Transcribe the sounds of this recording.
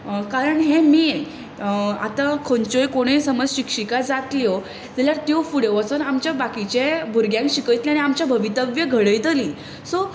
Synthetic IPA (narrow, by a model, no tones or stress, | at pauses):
kaɾəɳɦẽmi | a̰t̪ãkʰont͡ɕojkoɽ̃esəməd͡zɕikʂikad͡zat̪liɔ | d͡zeljaɾt̪jofuɽeʋat͡sonamt͡ɕjabakit͡ɕebʱuɾɡjãŋkɕikəjt̪liaɽ̃iamt͡ɕjabʱəʋit̪əbjəɡʱəɽəjt̪əliː | sɔ